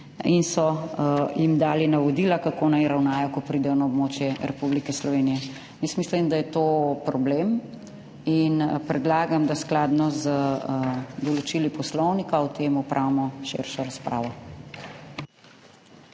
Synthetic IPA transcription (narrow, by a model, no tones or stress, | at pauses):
insɔjimd̪aːlinaʋɔd̪ilakakoːnajɾawnaːjɔkɔpɾiːd̪ɛjɔnaɔbmoːt͡ʃjɛɾɛpublikɛslɔʋeːnijɛ | jɛsmislimd̪ajɛt̪oːpɾɔbleːm | inpɾɛd̪laːɡamd̪asklaːd̪nɔz | d̪ɔlɔt͡ʃilipɔslɔwnikawt̪eːmupɾʔawmɔʃḛɾʃɔɾaspɾa̰ːʋɔ